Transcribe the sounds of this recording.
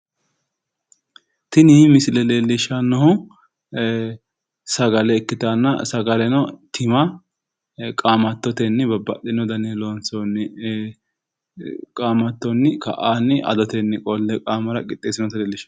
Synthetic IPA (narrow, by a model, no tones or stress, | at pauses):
t̪ɪnɪmɪsɪlɛleːlːɪʃɐnːɔhʊ | sɐɡɐlɛːkːɪt̪anːɐ̰sɐɡɐlɛnɔt̪ʰɪmɐ | kʼaːmɐt̪ːɔt̪ɛnːɪbɐbːɐ̰ʔɪnɔd̪ɐneːlonsɔnɪ | kʼaːmɐt̪ːɔnːɪkɐ̰ʔaːnːɪʔɐ̰d̪ɔt̪ɛnːɪkʼɔlːɛkʼaːmɐɾɐkʼɪt̪ʼːeːsɪnɔt̪ɛleːlːɪʃɐ̥